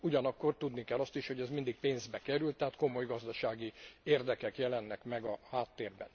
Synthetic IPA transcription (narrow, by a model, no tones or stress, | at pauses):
uɟɒnɒkːo̞rt̪ud̪nikɛlːɒst̪iʃho̞ɟɛzmind̪ik̚peːnzbɛkɛɾylt̪ːɛɦaːt̪ko̞mo̞jɡɒzd̪ɒʃaːɡieːrd̪ɛkɛkjɛlɛnːɛkmɛɡɒhaːt̪ːeːrbɛ̰n